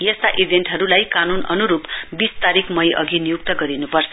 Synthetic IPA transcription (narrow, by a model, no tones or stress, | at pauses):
jʌst̪aʔibʱenʈɦʌɾulajkanunʌnuɾupbist̪aɾikʰmʌjʔʌ̰ɡinijuk̚t̪ʌɡʌɾinupʌrt͡sʰʌ